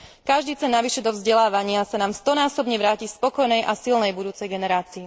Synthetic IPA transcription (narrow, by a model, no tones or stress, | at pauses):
kaʒd̪iːt͡sɛnːaʋiʃɛd̪ɔvzɟɛlaːʋaɲɪasanaːmst̪ɔnaːsɔbɲɛʋɾaːcispɔkɔjnɛjʔasilnɛjbud̪uːt͡sɛjɡɛnɛɾaːt͡sii